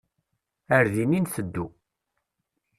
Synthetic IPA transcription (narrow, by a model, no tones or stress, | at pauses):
əɾðininθəd̪ːu